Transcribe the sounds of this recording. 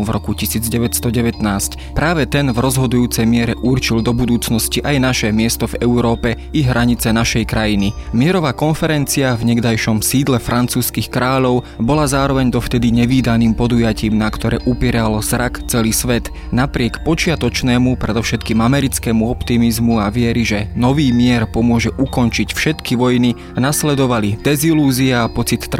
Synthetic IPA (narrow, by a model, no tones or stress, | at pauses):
vɾɔkucisiːd͡zɟɛʋɛst̪ɔɟɛʋɛt̪naːsc | pɾaːʋɛt̪ɛnvɾɔzɦɔd̪ujuːt͡sɛjmɪɛɾɛʔurt͡ʃild̪ɔbud̪uːt͡snɔsciʔajnaʃɛmɪɛst̪ɔvɛuɾɔːpɛ | iɦɾaɲit͡sɛnaʃɛjkɾajinimɪɛɾɔʋaːkɔnfɛɾɛnt͡siavɲɛɡd̪ajʃɔmsiːd̪lɛfɾʔant͡suːskixkɾaːʎɔʊ | bɔlazaːɾɔʋɛɲd̪ɔft̪ɛd̪iɲɛʋiːd̪aniːmpɔd̪ujaciːmnakt̪ɔɾɛ̰ːʔupɪɛɾalɔzɾakt͡sɛliːsʋɛt̪ | napɾɪɛkpɔt͡ʃɪat̪ɔt͡ʃnɛːmupɾɛd̪ɔʃɛt̪kiːmamɛɾit͡skɛːmuɔpt̪imizmuaʋɪɛɾiʒɛnɔʋiːmɪɛɾpɔmʊɔʒɛʔukɔnt͡ʃicfʃɛt̪kiʋɔjni | anaslɛd̪ɔʋalid̪ɛziluːziaːpɔt͡sit̪ː